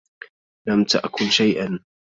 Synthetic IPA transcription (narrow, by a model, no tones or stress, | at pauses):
lamt̪a̰ʔkʊlʃajʔan